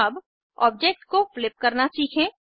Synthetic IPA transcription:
əb | ɔ̰ːb̚d͡ʒeːk̚ʈkoflɪp̚kɐɾnasiːkʰẽː

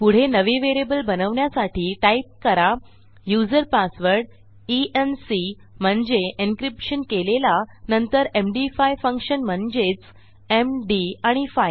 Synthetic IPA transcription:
puɽ̤enəʋiʋeɾebəlbənəʋɳjasaʈʰiːʈaip̚kəɾa | jud͡zəɾpasʋəɾɽ | iʔensi | m̤əɳd͡zeinkɾipɕənkelelanənt̪əɾemɖifajfə̃ŋkʂənm̤əɳd͡ʑet͡s | emɖiaɽ̃ifaj

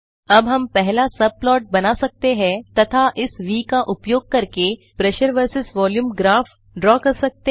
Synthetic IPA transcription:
ɐbɦɐmpɛɦlasɐb̚plɔːʈ̚bɐnasɐk̚t̪eɦɛ̃t̪ɐt̪ʰaʔɪsʋiːkaʔʊpjoːɡ̚kɐɾke | pɾɛʃəɾʋəɾsɪsʋɔːljuːmɡɾaːf | ɖɾɔːkɐɾsɐk̚t̪e

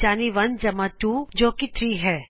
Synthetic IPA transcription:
aːniʋɐnd͡ʒɐmaʈuːd͡ʒoːkit̪ʰɾiːɦɛː

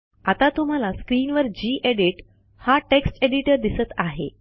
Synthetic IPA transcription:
at̪at̪um̤alaskɾiːnʋəɾd͡ʑiːʔeɽiʈ | haʈeksʈeɽiʈəɾd̪isət̪aɦḛ

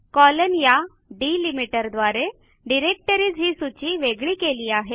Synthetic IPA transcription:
kɔlənja | ɖiːlimiʈəɾd̪ʋaɾe | ɖiɾek̚ʈəɾiːd͡zɦiːsut͡ɕiːʋeɡɭiːkeliːaɦe

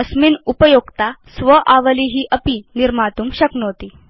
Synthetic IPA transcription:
əsminupəjoɡt̪asʋəʔaʋəliɦiːʔəpiniɾmat̪uːmɕəknot̪iː

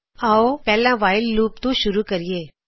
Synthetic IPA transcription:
aopɛɦlãʋaːɪlːuːpt̪ũʃʊɾukəɾieː

